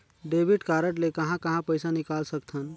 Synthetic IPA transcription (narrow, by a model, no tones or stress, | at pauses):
ɖebʱiʈkaɾəʈlekəɦãkəɦãpəɪsanikalsək̚t̪ʰən